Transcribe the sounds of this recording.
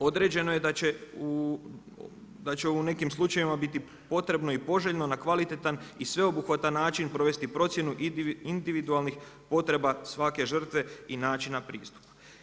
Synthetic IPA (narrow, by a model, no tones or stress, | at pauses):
o̞d̪ɾe̞d͡ʑe̞no̞je̞d̪at͡ɕe̞u | d̪at͡ɕeune̞kimslˠut͡ʃaʋimabit̪i | po̞t̪ɾe̞bno̞ipo̞ʒeʎno̞nakʋalit̪et̪anisʋe̞o̞buxʋat̪anːaːt͡ʃinpɾo̞ʋe̞st̪ipɾo̞t̪sje̞nuʔind̪iʋid̪ualˠnixpo̞t̪ɾe̞basʋake̞ʒr̩t̪ʋe̞inaːt͡ʃinapɾiːst̪u̥pḁ